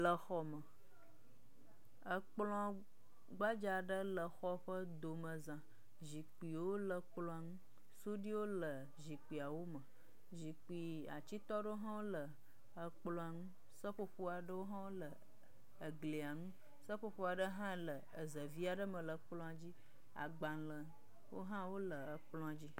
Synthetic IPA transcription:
lə˨xɔ˨mə˨ | ə˨k͡plɔ̃˦˨ | ɡ͡ba˦d͡ʒa˨ɖə˦lə˨xɔ˦ɸə˦d̪o˨mə̃˨zã˨ | zi˨k͡pi˨wo˦lə˨k͡plɔ̃˦a˨ŋũ˦ | su˦ɖi˦wo˦lə˨ | zi˨k͡pi˨a˨wo˦mə˨ | zi˨k͡pi˨ | a̰˨t͡ɕi˦t̪ɔ˦ɖə˦o˦ɦã˦wo˦lə˨ | ə˨k͡plɔ̃˦a˨ŋũ˦ | sə˦ɸo˦ɸo˦a˨ɖə˦wo˦ɦã˦wo˦lə˨ | ə˨ɡli˨a˨ŋũ˦ | sə˦ɸo˦ɸo˦a˨ɖə˦ɦã˦lə˨ | ə˨zə˨vi˦a˨ɖə˦mə̃˨lə˨k͡plɔ̃˦a˨d͡ʑi˦ | a̰˨ɡ͡bã˨lə˨ | wo̰˦ɦã˦wo˦lə˨ə˨k͡plɔ̃˦a˨d͡ʑi˦

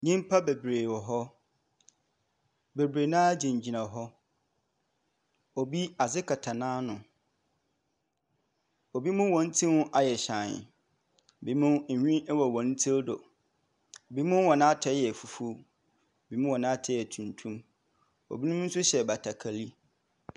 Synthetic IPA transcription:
ɲĩ˦m˦pʰa˦be˨bɾeː˨wɔ˨ɦɔ˦ | be˨bɾe˨nã˦d͡ʑĩ˨ɲ˨d͡ʑi˨nã˨ɦɔ˦ | o˨bi˦a˨zɪ˦kʰa˨tʰa˨nãː˦nʊ̃˨ | o˨bi˦mʊ̃˦wɔ̃˨n̩˦tʰĩ˦hʊ̃˦ʔa˨jɛ˨ɕã˨n˨ | bi˨˦mʊ̃˦˨ɲᶣĩ˦wɔ˨wɔ̃˨n̩˦tʰi˦dɔ̰˨ | bi˦mʊ̃˦wɔ̃˨nã˦tʰɛ˦jɛ˨fu˨fu˦ | o˨bi˦mũʊ̃˦wɔ̃˨nã˦tʰɛ˦jɛ˨tʰũ˨ntʰũ˦m | o̰˨bi˦nʊ̃˦m˦n̩˦sʊ˦ɕɛ˨ba˨tʰa˨kʰa˨li˦

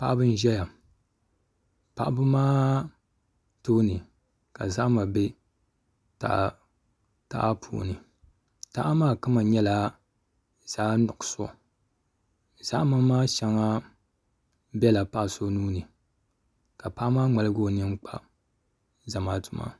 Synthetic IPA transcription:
pa˦ʔa˦bɨ˦n˦ʒɛ˦ja˨ | pa˨ʔa˦bɨ˦maː˦ | toː˦nɨ˨ | ka̰˨za˦ʔma˨be˦ | ta̰˨ | ta̰˦ʔa˦pʰṵ˨nɨ˨ | ta˦ʔa˦maː˦kɨ˦ma˨ɲɛ˦la˨ | z̥aː˦nʊ˨ksɔ̰˨ | z̥a˦ʔma˦maː˦ʃa˨ŋa˦ | bɛ˦la˨pa˦ʔso˦nuː˦nɨ˨ | ka˨pa˦ʔmaː˦ŋ͡ma˨lɨ˦ɡo˦˨nɨ˦ŋ˦k͡pa˦ | za˨maː˦tʊ˨ma̰˦˨

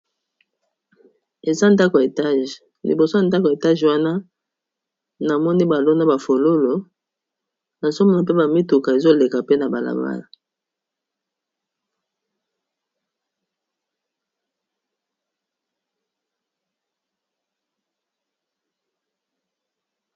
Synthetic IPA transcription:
e˨za˦n˨da˦ko˨a˨e˨ta˦ʒ | lḭ˨bo˨so˦a˨nda˦ko˨e˨ta˦ʒwa˦na˦ | na˨mɔ˦ni˦ba˨lo˦na˦ba˨fo˨lo˦lo˨ | na˨so˦mo˨a˨p̬e˦ba˨mi˦tu˨ka˨e˨zo˦le˨ka˨pe˦na˨ba˨la̰˨ba̰˦la˨

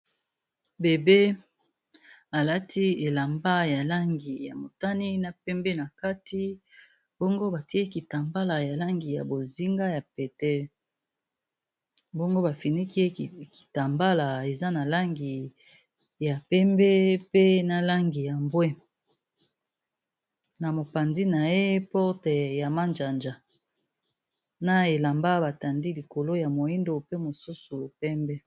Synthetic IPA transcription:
be˨be˦ | a˨la˦tʰi˦e˨la˨mba˦ja˨la˦ŋɡi˨ja̰˨mo˨ta˦ni˦na˨pɛ˦mbe˦na˨ka˦ti˦ | bo˦ŋɡo˦ba˨ti˦e˦ki˨ta˨mba˦la˨ja˨la˦ŋɡi˨ja̰˨bo˨zi˦ŋɡa˦ja˨pɛ˨tɛ˦ | bo˦ŋɡo˦ba˨fi˨ni˦ki˦e˦ki̥˨ta˨mba˦la˨e˨za˦na˨la˦ŋɡi˨ | ja˨pɛ˦mbɛ˦pe˦na˨la˦ŋɡi˨ja˨mbwe˦ | na˨mo˨pa˨nzi˦na˨je˦pɔ˦tɛ˨ja˨ma˦nd͡ʒa˨nd͡ʒa˨ | na˦e˨la˨mba˦ba˨ta˨ndi˦li˨ko˨lo˦ja˨mo˨i˦ndo˨pe˦mo˨su˦su˨pɛ˦mbɛ˦

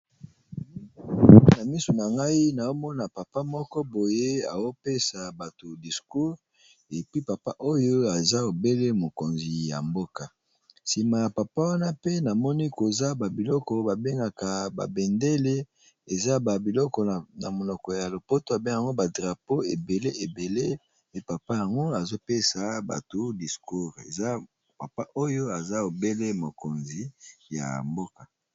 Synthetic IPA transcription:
na˨mi˦so˨na˨ŋɡa˦i˦na˨o˦mɔ˦na˨pa˨pa˦mɔ˦kɔ˦bo˨je˦a̰˨o˦pe˦sa˨ba˨to˨di˨sku˦ʁ | e˨pi˦pa˨pa˦ʔo˦jo˦a˨za˦o˨be˦le˦mo˨ko˨nzi˨ja̰˨mbo˦ka˨ | si˨ma˨ja˨pa˨pa˦wa˦na˦pe˦na˨mɔ˦ni˦ko˨za˦ba˨bi˨lɔ˦kɔ˨ba˨be˦ŋɡa˨ka˨ba̰˨bɛ˨nde˦le˦ | e˨za˦ba˨bi˨lɔ˦kɔ˨na˨mo˨lɔ˨kɔ˨ja˨lo˨po˦to˦a˨be˦ŋa˨a˨ŋɡo˦ba˨dʁa˨po˦e˨be˨le˦e˨be˨le˦ | pe˦pa˨pa˦ja˨ŋɡo˦a˨zo˦pe˦sa˨ba̰˨to˦di˨sku˦ʁḛ˨za˦ | pa˨pa˦ʔo˦jo˦a˨za˦o˨be˦le˦mo˨ko˨nzi˨ja̰˨mbo˦ka˨

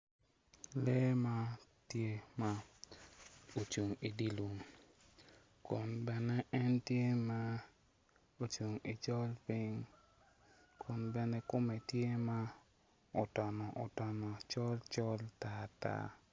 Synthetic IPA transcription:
lɛ˦ma˦tje˦ma˦ | o˨t͡ʃu˨ŋi˨di˦lu˨ŋ | kʊ˨nbɛ˦nɛ˦ʔɛ˦ntje˦ma˦ | o˨t͡ʃu˨ŋi˨t͡ʃɔ˦lpi˦ŋ | kʰʊ˨nbɛ˦nɛ˦kʊ˦mɛ˨tje˦ma˦ | ɔ˨tɔ˨nɔ˨ʔɔ˨tɔ˨nɔ˨t͡ʃɔ˦lt͡ʃɔ˦lta˦ta̰˦

